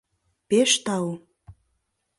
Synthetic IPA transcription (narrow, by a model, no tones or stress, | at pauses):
peʃt̪ɑwo